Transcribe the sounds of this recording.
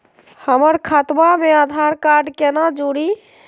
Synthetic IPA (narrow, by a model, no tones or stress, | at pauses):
həməɾkʰat̪mamead̪ʱaɾkaɾɖkenad͡ʒoɽi